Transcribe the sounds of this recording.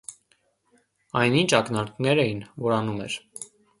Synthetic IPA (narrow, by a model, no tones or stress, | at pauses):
ɑjnint͡ʃʰɑknɑɾk̪nɛɾɛjinvɔɾɑnumɛ̰ɾ